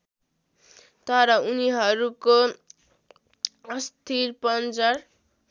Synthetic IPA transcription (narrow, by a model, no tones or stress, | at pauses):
t̪ʌɾʌuniɦʌɾuko | ʌst̪ʰirpʌnd͡zʌr